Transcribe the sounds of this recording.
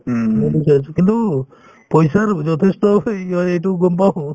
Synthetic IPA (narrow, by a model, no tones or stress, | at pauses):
bisasʰukint̪u | pɔjsaɾd͡ʒɔt̪ʰestɔɔejtuɡɔmpaw